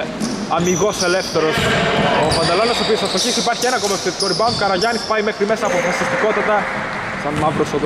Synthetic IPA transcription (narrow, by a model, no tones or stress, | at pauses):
ɐmiɣo̞se̞left̪e̞ɾo̞sopɐnd̪ɐlo̞nɐsopiosɐst̪oçisipɐɾçienɐkomefset̪i̥koɾibɐunkɐɾɐʝɐnispɐimexɾime̞sɐːpofɐsist̪iko̞t̪ɐt̪ɐ | sɐnmɐɱvɾosoð